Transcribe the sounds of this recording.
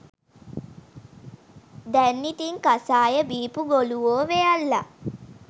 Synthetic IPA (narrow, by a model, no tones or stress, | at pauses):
d̪ɛnːit̪iŋkasaːjəbiːpuɡoluʋoːʋejalːa̰